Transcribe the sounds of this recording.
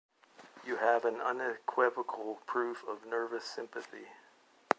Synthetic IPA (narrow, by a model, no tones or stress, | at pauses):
jɨəvɨ̃nʌ̃nɨkʰw̥ɪvəkʰl̩ˠpʰɹ̥ʉfʌvnɜ˞vɨsɪ̃mpɨθḭ